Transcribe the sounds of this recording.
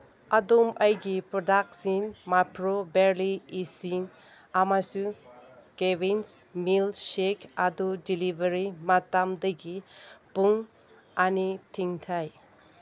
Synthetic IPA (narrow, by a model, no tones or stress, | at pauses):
adomɐjɡipɾodak̚sinmapʰɾobeɾliisin | amasukebinsmilsekadudilibʱɐɾimatamdɐɡipuŋ | anitʰiŋtʰaj